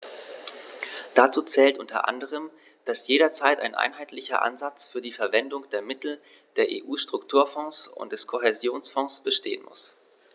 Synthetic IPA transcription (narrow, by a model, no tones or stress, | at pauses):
d̥at͡suːt͡sɛːltʔʊntɐ̰ʔa̰ndəʁ̞əm | d̥asjeːɾɐt͡saɪta̰ɪnʔa̰ɪnɦaɪtlɪçɐ̰ʔa̰nzat͡sfyːɐdiːfɛɐvɛndʊŋd̥eːɐmɪtl̩ | d̥eːɐʔḛːʔuːʃtʁ̥ʊktʰuːɐfɔ̃ŋsʊ̰nt̚d̥ɛskʰoɦezjoːnsfɔ̃ŋsb̥əʃteːənmʊ̰s